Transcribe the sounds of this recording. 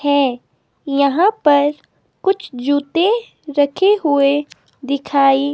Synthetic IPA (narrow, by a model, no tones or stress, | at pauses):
hɛː | jɐɦãpɐɾ | kʊt͡ʃʰd͡ʒuːt̪e | ɾɐkʰeɦʊe | d̪ɪkʰaːi